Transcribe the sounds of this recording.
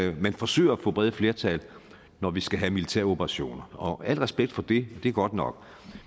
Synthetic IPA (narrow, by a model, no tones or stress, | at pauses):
mænfɒ̽sø̰ːɪɐɒfɔ̽ːb̥ʁɛð̞ˠəfle̝ːɐt͡sʰɛl | nɒʋisɡ̥æɦæmilit͡sʰeɐ̰o̝pʰɐʁɑ̈ɕo̝̰ːnɐɒ̽æl̰ʁɛsb̥eɡ̥d̥fɒ̽d̥e̝d̥e̝ɐɡ̥ɒ̽d̥nɒ̽ɡ̥